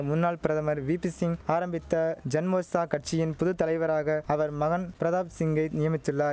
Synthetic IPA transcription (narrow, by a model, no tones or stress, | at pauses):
mʊnːaːɭpɪɾɐðɐmɐɾʋiːpɪsɪŋaːɾɐmbɪt̪ːɐd͡ʒɐnmoːsaːkɐʈ̚t͡ʃɪjɪnpʊðɯt̪ːɐlɐɪʋɐɾaːɣɐɐʋɐɾmɐɣɐnpɪɾɐðaːpsɪŋɡɐɪnɪjɐmɪt̪ːɯɭːaː